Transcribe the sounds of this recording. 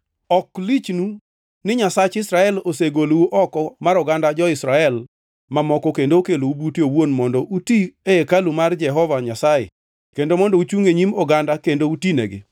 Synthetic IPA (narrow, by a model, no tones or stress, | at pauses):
ɔklit͡ʃnu | nɪɲasat͡ʃɪsɾaɛloseɡoluʔɔkɔmaɾɔɡandad͡ʒɔɪsɾaɛl | mamɔkɔkendokeloubutjowonmɔndɔʔutieekalumard͡ʒɛɦɔvaɲasajɪ̰ | kendomɔndɔut͡ʃuŋeɲimɔɡandakendoutinḛɡɪ̰